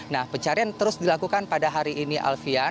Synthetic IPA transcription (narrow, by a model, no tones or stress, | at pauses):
nahpəɲt͡ʃaɾiant̪əɾʊsdilakukanpadaɦaɾiʔːniʔa̰lfia